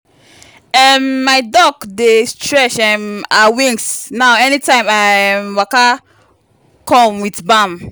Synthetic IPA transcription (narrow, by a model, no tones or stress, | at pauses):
ɛmːaɪdɔkdestɹɛʃɛmawĩŋɡsnaʊɛnitãɪ̃mamwaka | kʰɔ̃mwitbãm